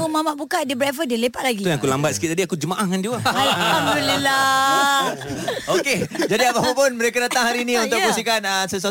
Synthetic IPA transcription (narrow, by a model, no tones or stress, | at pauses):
umamaʔbukaʔdiəbɾɛfədiəlepaʔ̚laɡit̪jãŋakulambat̪̚sə̥kit̪̚t̪adiakud͡ʒəmaʔahŋand͡ʒiwəalaɦamdulila | oked͡ʒadiapapapʊnməɾekadat̪aŋɦaɾiːnĩunt̪ʊkbus̬ikanəsəs̬a